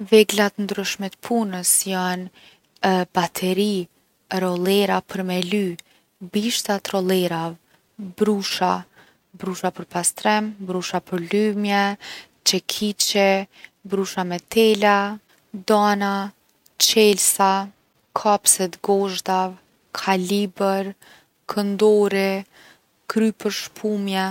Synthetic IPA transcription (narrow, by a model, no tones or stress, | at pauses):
vɛɡlat̪ənd̪ɾyʃmɛt̪əpʰunəsjan | bat̪ʰɛɾi | ɾɔlˠɛɾapʰəɾmɛly | biʃt̪at̪ɾɔlˠɛɾav | bɾuʃa | bɾuʃapəɾpast̪ɾɛmbɾuʃapəɾlymjɛ | t͡ʃɛkʰit͡ʃɛbɾuʃamɛt̪ɛla | d̪ana | t͡ʃɛlsa | kʰapsɛt̪ɡɔʒd̪av | kʰalibəɾ | kʰənd̪ɔɾɛ | kɾypəɾʃpʰumjɛ